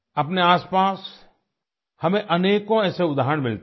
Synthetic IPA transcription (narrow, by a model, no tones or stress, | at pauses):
ɐpneaːspaːs | hɐmẽʔɐneːkõɛːseʊd̪ʱaːɦɾəɳ̃mɪlt̪